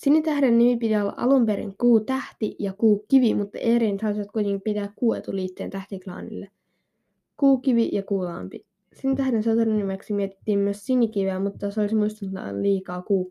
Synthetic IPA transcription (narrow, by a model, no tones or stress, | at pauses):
sinit̪æhɾenːimipit̪iolːɑ̰ʔɑ̰lumpeɾḭŋkuːt̪æht̪ijɑkuːkiʋimut̪ːɑ̰ʔeːɾiːnt̪hɑˑsiʋɑt̪̚kuit̪ʲeŋkipit̪æːkkuːḛt̪uliːt̪ːeːnt̪æht̪iklɑ̰ːnḭlːe | kuːkiʋijɑkuːlɑ̰ːmpi | sinːt̪æhdenset̪erunːimeksimiet̪i̥t̪ːiːmmyøssinːikiʋeːmut̪ːɑseolismuist̪ɑnt̪ɑ̰liːkɑːkuː